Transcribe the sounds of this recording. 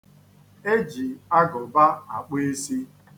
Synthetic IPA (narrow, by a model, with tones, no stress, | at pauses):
e˦d͡ʒi˨a˦ɡɔ˨ba˦a˨k͡pe˦e˦si˦